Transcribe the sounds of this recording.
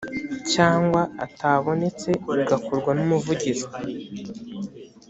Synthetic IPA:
caːŋɡwaataːβo̞ne̞t͡se̞uɡakuɾɡwanumuvuɟizo

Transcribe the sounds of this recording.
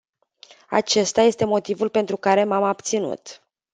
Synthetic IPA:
a̰t͡ʃe̞st̪aje̞st̪e̞mo̞t̪ivulpe̞nt̪ɾukaɾe̞mamab̚t̪sinṵt̪

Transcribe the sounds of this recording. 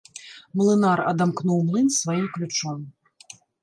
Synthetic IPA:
mlˠɨnaɾɐ̰d̪amknuwmlˠɨnsvajimklʲut͡ʂɔm

